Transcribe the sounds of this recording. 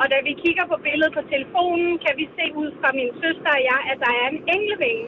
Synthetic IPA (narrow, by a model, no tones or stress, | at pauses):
ɒ̽d̥æʋikʰiɡ̥ɐpʰɒ̽b̥e̝ləð̩ˠpʰɒ̽t͡sʰeləfo̝̰ːnn̩kʰæʋise̝̰ːuð̞̰ˠfʁɑ̈miːnsøsd̥ɐɒjɑæd̥ɑ̈æɐe̝neŋ̰ləʋeŋə